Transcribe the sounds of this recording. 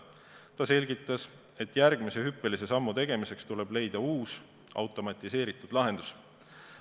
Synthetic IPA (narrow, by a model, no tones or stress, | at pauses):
t̪ɑse̞lʲɡit̪ˑːɑs | e̞t̪ːˑjærɡ̥mise̞ɦypːe̞lise̞sɑmːut̪e̞ɡ̥e̞mise̞kst̪ule̞b̥le̞jd̪̥ɑuːs | ɑ̰wt̪ːˑo̞mɑt̪ːˑise̞ːɾit̪ːˑud̥̪lɑɦe̞nd̪̥us